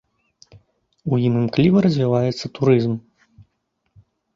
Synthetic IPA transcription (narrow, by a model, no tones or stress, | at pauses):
ujinɨmklʲivɐɾɐzʲvʲivajɛt̪sːɐt̪uɾɨzm